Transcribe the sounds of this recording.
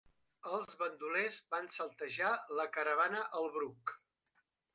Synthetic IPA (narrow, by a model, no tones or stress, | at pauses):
əlˠzβənd̪ulezβansəlˠt̪əʒaləkəɾəβ̞anəʔəlˠβɾuk